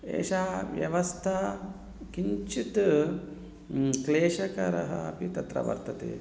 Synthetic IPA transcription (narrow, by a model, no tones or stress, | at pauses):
ḛːʃaːʋjɐʋɐst̪ʰa | kiɲt͡ʃit̪ | kleːʃɐkɐɾɐɦɐɐpit̪ɐt̪ɾɐ̰ʋɐ̰ɾt̪ɐt̪ḛː